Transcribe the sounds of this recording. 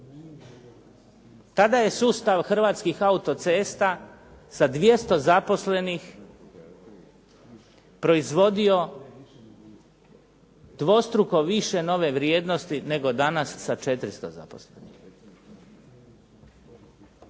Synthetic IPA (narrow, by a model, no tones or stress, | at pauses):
t̪ad̪aje̞suːst̪aʋxr̩ʋaːt̪skixaut̪o̞t̪seːst̪a | sad̪ʋje̞st̪o̞zapo̞sle̞nix | pɾo̞izʋo̞d̪io̞ | d̪ʋo̞st̪ɾuko̞ʋiʃe̞no̞ʋe̞ʋɾjeːd̪no̞st̪ine̞ɡo̞d̪anasːat͡ʃe̞t̪ɾist̪o̰za̰po̞̰slenix